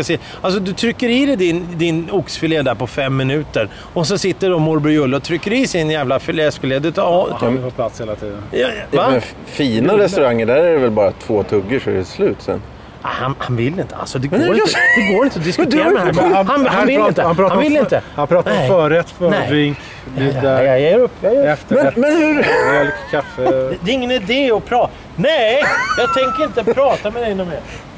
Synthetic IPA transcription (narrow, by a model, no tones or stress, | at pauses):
aseː | als̬ɔd̪ɵt̪ʰɾʏkːəɾɪːɾɛd̪ɪnd̪ɪnʊksfɪleːd̪æɾpɔfɛmːɪnʉ̟ːt̪əɾ | ɔs̬ɔsɪt̪ːəɖɔmʊɾbɪɾjɵlːəɔt̪ʰɾʏkːəɖɪsɪnjæːvlafɪlɛːskɪleːd̪ʉt̪ʰː | pʰlat̪sheːlːat̪ʰiːd̪ənjɑvaɛ | fiːnaɾɛstt̪ɵɾaŋːəɖæɾæɾɛvɛlbɑːɾat̪ʰv̥oːt̪ʰɵɡːəʂɔɛ̰ɾɛslʉ̟ːt̪sɛ̰n | ahanhanvɪlːɪnt̪ʰəa̰lsɔd̪ɛɡoːɾɪd̪̥ɛɡoːɾɪnt̪əɔd̪ɪskd̪ɾmhanhavɪlːɪnt̪əhanpʰɾɑːth̪vɪlːɪnt̪əhanpʰɾɑːt̪ɾɔmfœːɾɛt̪ːfœɪŋ | əɾɵpːjaɛft̪əmɛmɛnhʉɾɛlkkʰafːəɛd̪ɛɪŋːənɪd̪eːɔpʰɾɑː | nɛjjɑːɡ̚t̪ʰɛŋkəɾɪnt̪əɾɑːt̪amɛd̪ɛɪnːɔme